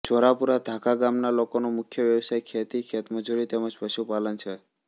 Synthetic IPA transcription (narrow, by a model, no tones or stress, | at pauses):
d͡ʒoɾapuɾad̪ʱakaɡamnalokonomʊkʰjəʋjəʋsajkʰet̪ikʰet̪məd͡ʒuɾit̪eməd͡ʒpəʃupalənt͡ʃʰe